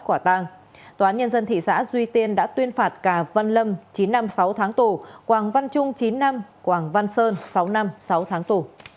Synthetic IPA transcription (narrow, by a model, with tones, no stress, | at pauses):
kwa˧˩t̪a˧ŋ | t̪waː˧˨aː˨˦nɲə˧nzə˧nt̪ʰḭ˧˨sa̰ː˧˥zwi˧t̪i˧ənɗa̰ː˧˥t̪wi˧ənfaː˨˩t̚kaː˧˩va˧nlə˧mt͡ɕi˨˦nːa˧msa˨˦wt̪ʰaː˨˦ŋt̪u˨˩kwaː˨˩ŋva˧nt͡ɕʊ˧ŋ͡mt͡ɕi˨˦nːa˧mkwaː˧˨˩ŋva˧nsəː˧nsa˨˦wna˧msa˨˦wt̪ʰaː˨˦ŋt̪u˨˩